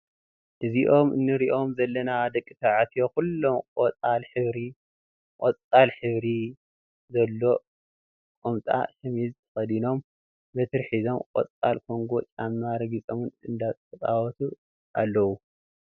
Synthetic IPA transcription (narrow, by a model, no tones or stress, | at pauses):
ʔɨziʔo̞mɨnːɨɾiʔo̞mzɐlːɐnad̪ɐkʼːɨt̪ʰaʕat̪ʰijokulːomkʼot͡sʼalħɨβɾi | kʼot͡sʼːalħɨβɾi | zɐlːo̞ | kʼomt̪ʼa̰ʃɐmizt̪ʰɐ̥xɐd̪ino̞m | bɐt̪ʰɨɾħizomkʼɔt͡sʼalkʰo̞ŋɡo̞t͡ʃʼamːaɾɨɡɨt͡sʼɐmɨnɨnd̪at͡sʼt̪ʰɐt͡sʼawɔt̪ʰu | ʔalːɐwu